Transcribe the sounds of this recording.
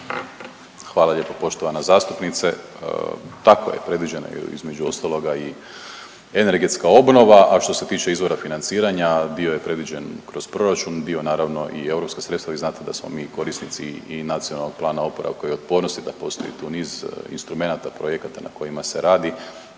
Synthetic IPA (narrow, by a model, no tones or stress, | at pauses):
xʋaːlaʎe̞ːpopo̞ʃt̪o̞ʋanazaːst̪upnit̪sḛ | t̪ako̰jḛpɾe̞d̪ʋid͡ʑe̞na̰ḭzme̞d͡ʒuo̞st̪alo̞ɡai | ene̞ɾɡe̞t̪skao̞bno̞ʋaʔaʃt̪o̞se̞t̪iːt͡ʃe̞izʋo̞ɾafinant̪siːɾaɲad̪io̞je̞pɾe̞d̪ʋid͡ʑe̞nkɾo̞zpɾo̞ɾat͡ʃund̪ionaːɾaʋno̞ʔḭe̞wuɾo̞pskasɾet̪aʋiznaːt̪ed̪asmo̰miːko̞ɾisnit̪sḭːnat̪sionalˠnoɡ̥̚plˠaːnao̞poɾa̰kojot̪̚po̞ːɾnost̪id̪apo̞st̪o̞jḭt̪uːniːzḭnst̪ɾume̞nat̪apɾojekat̪ana̰ko̞jimase̞ɾaːd̪i